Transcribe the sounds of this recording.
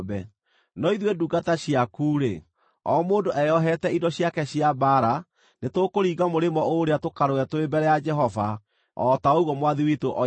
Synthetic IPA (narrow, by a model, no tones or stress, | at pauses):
bɛ | nɔiðweduɡataɕiakuːɾḛ | ɔ̰moːndoʔɛjɔɦɛtɛidɔɕjakɛɕjabaɾa | netokoɾiːɡamoɾemɔoɾeatokaɾoɛtoebɛɾɛjad͡ʒɛɦɔva | ɔtaouɣɔmwaðiwitoʔɔ